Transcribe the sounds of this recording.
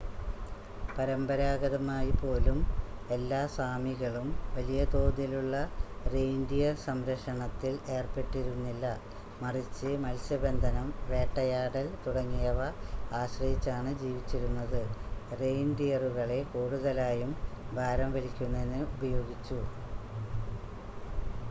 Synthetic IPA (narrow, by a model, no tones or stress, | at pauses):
pɐɾɐmbɐɾaːɣɐðɐmaːjipo̞ːlume̞lːaːsaːmiɣɐɭumʋɐlijɐt̪o̞ːðjiluɭːɐrejndijɐsɐmɾɐkʂɐɳɐt̪ːile̞ːrpe̞ʈːiɾunːilːɐ | mɐrit͡ɕːɨmɐlsjɐbe̞nd̪ʱɐnɐmʋe̞ːʈːɐjaːɽɐlt̪uɽɐŋːijɐʋɐaːɕrɐhit͡ɕːaːɳɨd͡ʑiːʋit͡ɕːiɾunːɐðɨre̞jnɖijɐruɣɐɭe̞koːɽuɣɐlaːjumbʱaːɾɐmʋɐɾikʲːunːɐenːɨubɐjo̞ːɡit͡ɕːu